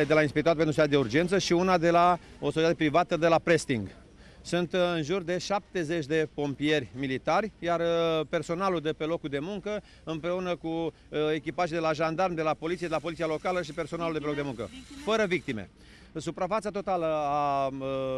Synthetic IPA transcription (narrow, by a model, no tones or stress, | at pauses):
ed̪e̞lainspik̚t̪at̪̚penɾusetːad̪eurd͡ʒent̪səʃiunad̪e̞la | osot͡ʃet̪at̪epɾivat̪əd̪e̞lapɾe̞st̪iŋɡ | sunt̪ɨnʒurd̪e̞ʃap̚t̪e̞ze̞t͡ʃʲd̪e̞po̞mpie̞rʲmilit̪arʲjarpe̞rso̞naluld̪e̞pe̞lo̞kud̪e̞muŋkə | ɨmpɾe̞unəku | e̞kʲipaʒijd̪e̞laʒand̪armd̪e̞lapolit̪sied̪eapo̞litsialo̞kaləʃipe̞rso̞naluld̪epeokd̪e̞mũŋkə̰fəɾəvik̚t̪imḛ | supɾafat̪sat̪o̞t̪aləa